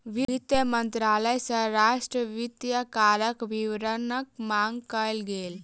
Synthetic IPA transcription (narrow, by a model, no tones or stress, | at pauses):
ʋiit̪jəmənt̪ɾaləjsə̃ɾaʃʈɾəʋit̪jəkaɾəkʋiʋɾənək̚maŋɡkəlɡel